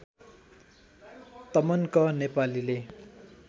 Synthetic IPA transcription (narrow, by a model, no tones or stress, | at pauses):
t̪ʌmʌnkʌnepalile